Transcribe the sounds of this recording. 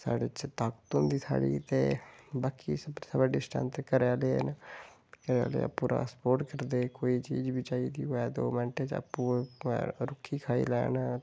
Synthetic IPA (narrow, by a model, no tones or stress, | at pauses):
sa̰ːɽet͡ʃt̪aːkt̪õnd̪iːsʰa̰ːɽḭːt̪eːbaːkiːsəbsəbaɖɪsʈə̰̃nt̪kəɾealen | kəɾea̰ːlḛa̰pːuːɾa̰ːspoːɾʈkəɾd̪eːkoːit͡ʃiːd͡ʒbiːt͡ʃaːid̪ioɛːd̪o̰ːmɛ̃ːɳʈeːt͡ʃə̰pːuː | ɾʊkʰːiːkʰaːḭlɛ̰ːn